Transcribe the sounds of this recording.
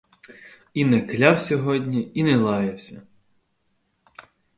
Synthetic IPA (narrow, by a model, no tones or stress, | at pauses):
inɛklʲawsʲɔɦɔdʲnʲiinɛlˠɑjewsʲɐ